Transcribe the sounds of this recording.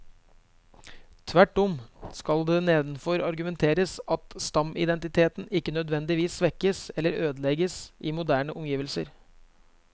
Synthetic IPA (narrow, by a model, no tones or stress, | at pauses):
t̪ʰʋæʈːɔmskɑld̪ɛːneːd̪nfɔɾɑɾɡʉmɛnt̪ʰeːɾəsɑt̪st̪ɑmɪ̰d̪ɛnt̪ɪt̪ʰeːt̪nɪkːənœd̪ʋɛnd̪ɪʋiːsʋɛkːəsɛlːəɾøːd̪əlɛɡəsʔɪmʊd̪æːɳəʔɔmjiːʋəlsə̰ɾ